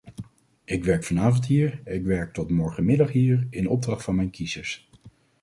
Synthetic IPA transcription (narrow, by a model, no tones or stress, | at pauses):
ɪkʋɛɹkfɑnaːvɑntɦiːɹɪkʋɛɹk̚tɔtmɔɹχəmɪdɑχɦiːɹɪnɔb̚drɑχtfɑnmɛjnkizəɹs